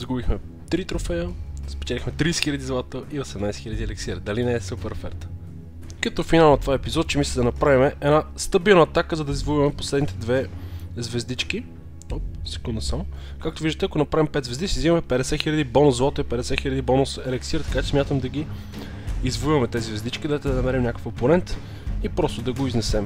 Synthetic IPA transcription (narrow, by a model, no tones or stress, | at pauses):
zɡubixmɛ | t̪ɾit̪ɾofɛjəspɛ̥t͡ʃɛlixmɛt̪ɾisɛ̥xilʲəd̪izlˠat̪əʔiosɛmnajsɛ̥xilʲəd̪iɛlɛksiɾd̪ɐlinɛːsupɛɾofɛ̰ɾt̪ | kɐt̪ofinalˠnɐt̪ovaɛpizɔt̪̚t͡ʃɛmisʲlʲɛd̪ɐnɐpɾavimɛʔɛnast̪əbilˠnəːt̪akəzɐd̪ɐizvolivɐmɛpo̥slɛd̪nit̪ɛd̪vɛzvɛzd̪it͡ʃki | opsɛ̥kund̪əsam | kak̚t̪oʊviʒd̪ət̪ɛɐkonɐpɾavʲimpɛd̪zvɛzd̪isizivɐmɛpɛd̪ɛsɛxilʲəd̪ibonʊzlɔt̪oipɛd̪ɛsɛxilʲɐd̪ibonʊsɛlɛksiɾt̪ɐ̥kat͡ʃɛ̥smʲat̪əmd̪ɐɡ̟i | izvoivɐmɛt̪ɛzizvɛzd̪it͡ʃkʲid̪at̪ɛd̪ɐnɐmɛɾimɲʲakəkɐponɛnt̪ | ipɾɔst̪od̪ɐɡoiznɛsɛm